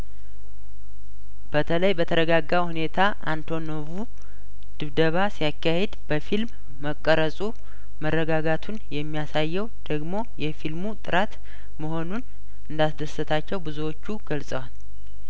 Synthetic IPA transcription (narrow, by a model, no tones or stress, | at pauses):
b̥ət̪ʰələjbət̪ʰəɾəɡaɡːawhune̞t̪ʰaʔant̪ʰo̞novu | d̪̥ɨβd̪əβasijakːahed̪b̥əfilmː | əkʼːəɾəsʼu | mərːəɡaɡat̪ʰunjɛmːijasajːɛwd̪̥əɡmo̞jɛfilmut̪ʼɨɾat̪ | məho̞nun | ɨnd̪asd̪əsət̪ʰat͡ʃːɛwbɨzuwo̞t͡ʃːuɡ̥əlsʼəwal